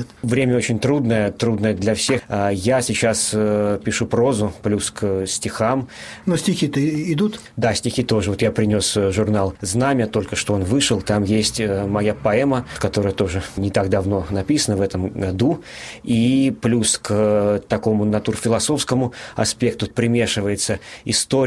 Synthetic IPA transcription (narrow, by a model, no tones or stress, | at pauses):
t̪vɾʲemʲəot͡ɕɪnʲt̪ɾud̪nəjət̪ɾud̪nəjəd̪lʲɐfsʲe̞xajasʲɪt͡ɕaspʲɪʂupɾo̞zʊplʲusksʲtʲɪxamnosʲtʲɪxʲit̪əɪd̪ut̪ | d̪asʲtʲɪxʲit̪o̞ʐɨvo̞t̪japɾʲɪnʲosʐʊrnalˠznamʲɪət̪o̞lʲkəʂt̪oo̞nvɨʂəlˠt̪amjesʲtʲəmɐjapɐɛməkɐt̪o̞ɾəjət̪o̞ʐɨnʲɪt̪aɡd̪ɐvno̞nɐpʲisənəvɛt̪əmɡɐd̪u | iplʲuskt̪ɐko̞mʊnɐt̪urfʲɪlˠɐso̞fskəmʊɐspʲe̞k̚t̪ʊpɾʲɪmʲe̞ʂɨvəjɪt̪səɪst̪o